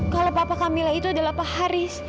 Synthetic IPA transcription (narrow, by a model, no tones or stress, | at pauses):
kalowpapakamilait̪uadalahpahaɾɪs